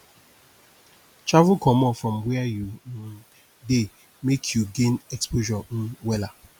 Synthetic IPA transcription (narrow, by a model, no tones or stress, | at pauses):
t͡ʃavʊkʰɔmɔfɾɔmweaju | de | mekʰjuɡẽnɛkspoʒɔn̩wɛla